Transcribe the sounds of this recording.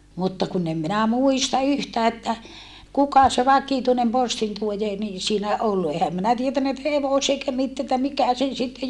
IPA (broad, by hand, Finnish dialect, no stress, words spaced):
mutːɑ kun em minæ muistɑ yhtæː etːæ kukɑ se ʋɑkituinem postintuojeː ni siːnæ ʔolːu ehæm minæ tietænːæ etːæ heʋose eikæ mit etːæ mikæ sen sitːe